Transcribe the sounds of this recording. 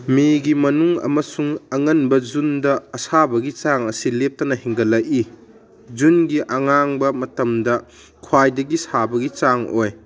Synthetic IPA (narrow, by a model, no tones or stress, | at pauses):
miɡimɐnuŋɐ̰mɐsuŋɐŋɐnbɐd͡ʒundɐːsabɐɡit͡ʃaŋɐsilep̚tɐnɐhiŋɡɐlɐji | d͡ʒunɡiʔɐŋaŋbɐmɐtɐmdɐ | kʰwajdɐɡisabɐɡit͡ʃaŋoj